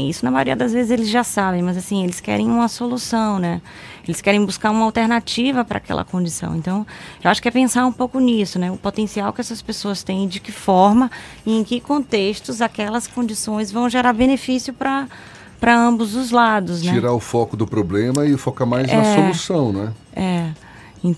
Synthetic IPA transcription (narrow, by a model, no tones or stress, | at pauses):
isʊnɐmajoɾḭɐd̪ɐzvezɪzelɪzʒasabẽj̃mɐzasĩelɪskɛ̰ɾẽj̃ũmɐsolusɐ̃w̃nɛ | elɪskɛɾẽj̃buskaɾũmɐawt̪eɾnat͡ʃivɐpɾɐ̰a̰kɛ̰lʔɐ̰kõnd͡ʒisɐ̰̃w̃ḛ̃nt̪ɐ̃w̃ewaʃʊ̥kɛpẽsaɾũpowkʊnisʊnɛʊpot̪ẽsiawkɪɛsɐspesoɐst̪ẽj̃d͡ʒɪkɪfɔɾmɐẽj̃kɪkõnt̪eʃt̪ʊzakɛlɐskõnd͡ʒisõj̃zvɐ̃w̃ʒeɾaɾbẽnefisiʊpɾɐ | pɾɐɐ̃bʊzd̪ʊzlad̪ʊs̬nɛiɾaʊfɔkʊd̪ʊpɾoblẽmɐɪfokamajzɐɛssolusɐ̃w̃nɛ | ɛ | ẽ